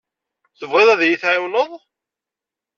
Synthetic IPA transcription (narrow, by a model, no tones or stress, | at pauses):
θəvʁeðˤæðjiθʕɪwnəðˤ